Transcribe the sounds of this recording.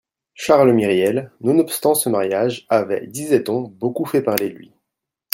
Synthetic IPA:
ʃaʁlmiʁjɛlnɔ̃nɔpst̪ɑ̃səmaʁjaʒavɛ̰d̪izɛt̪ɔ̃bokufɛpaʁlelɥḭ

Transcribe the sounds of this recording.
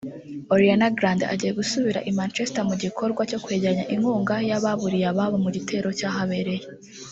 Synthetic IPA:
oɾianaɡɾanda̰ɟije̞ɡusuβiɾa̰ʔimaːnt͡ʃe̞stamuɟikʰo̞ɾɡwaco̞kwe̞ːɟaɲaʔiŋuːŋɡajaβaβuɾijaβaβomuɟitʰe̞ːɾo̞caːɦaβe̞ɾe̞je

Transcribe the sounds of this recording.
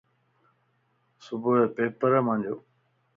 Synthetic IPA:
sʊbʱʊepeːpəɾəmãːɲd͡ʑoː

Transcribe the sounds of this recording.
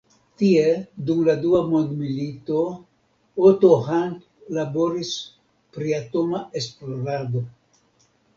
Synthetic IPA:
tiedumladuamondmilito | otohant | labo̞ɾis | pɾiatomaʔesploɾado̞

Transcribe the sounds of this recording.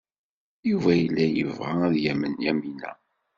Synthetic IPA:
juvæjəlːæjəvʁææðjæmənjæminæ̰

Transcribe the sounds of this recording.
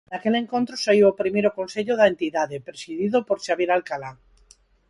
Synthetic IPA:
nakeleŋkont̪ɾosaiwopɾimejɾokonseʎoðaẽnt̪iðaðepɾesiðiðopoɾʃaβjeɾalkala

